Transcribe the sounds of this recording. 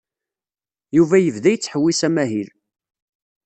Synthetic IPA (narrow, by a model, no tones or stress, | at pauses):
juvæjəvðæjət͡sːħəwːisæmæɦil